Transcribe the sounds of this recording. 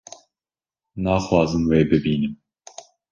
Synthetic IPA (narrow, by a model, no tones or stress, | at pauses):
nɑːxwɑːzɨmweːbɨbiːnɨm